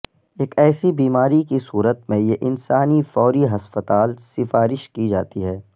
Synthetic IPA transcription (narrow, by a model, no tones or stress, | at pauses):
eːkɛːsibiːmaːɾikisuːɾət̪mẽjeʔɪnsaːnifɔːɾiɦɐspət̪aːlsɪfaːɾɪʃkid͡ʒaːt̪iɦɛː